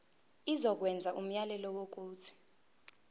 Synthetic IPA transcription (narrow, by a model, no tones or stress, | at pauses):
izɔk̬wɛnd͡zʱaʔum̩jalɛlɔwok̬uːt͡sʰi̥